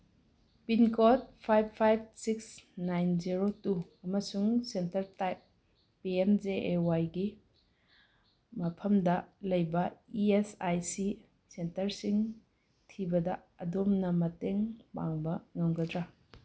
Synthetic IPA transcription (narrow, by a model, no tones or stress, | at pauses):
pinkot̚pʰajb̚pʰːajb̚siksnajnziɾotu | ɐmɐsuŋsentɐɾtajp̚ː | iemzeʔewajɡi | mɐpʰɐmdɐlɐjbɐiesajsi | sentɐɾsiŋ | tʰibɐdɐ | ɐdomnɐmɐteŋba̰ŋbɐŋɐŋɡɐdɾa